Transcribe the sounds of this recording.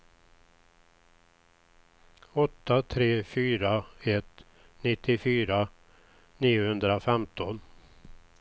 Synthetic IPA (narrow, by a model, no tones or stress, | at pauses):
ɔt̪ʰːat̪ʰɾeːfyːɾaɛt̪ | nɪt̪ʰːɪfyːɾa | niːʊhɵnd̪ɾafɛmt̪ɔn